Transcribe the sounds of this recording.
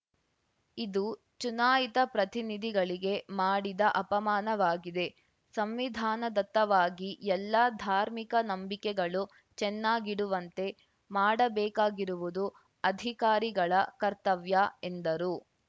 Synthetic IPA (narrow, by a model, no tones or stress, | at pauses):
id̪u | t͡ʃunaːjit̪ɐpɾɐt̪inid̪ʱiɡɐɭiɡe̞maːɽid̪ɐʔɐpɐmaːnɐʋaːɡid̪e̞ | sɐmʋid̪ʱaːnɐd̪ɐt̪ːɐʋaːɡiɛlːɐd̪ʱaːɾmikɐnɐmbikɛɡɐɭu | t͡ʃɛnːaːɡiɽuʋɐnt̪e̞ | maːɽɐbɛːkaːɡiɾuʋud̪u | ɐd̪ʱikaːɾiɡɐɭɐkɐɾt̪ɐʋjɐe̞nd̪ɐɾu